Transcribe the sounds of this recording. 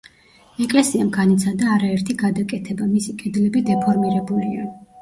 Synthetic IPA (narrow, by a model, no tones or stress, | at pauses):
ɛkʼlɛsiamɡanit̪sʰad̪aːɾaɛɾt̪ʰiɡad̪akʼɛt̪ʰɛbamisikʼɛd̪lɛbid̪ɛpʰɔɾmiɾɛbulia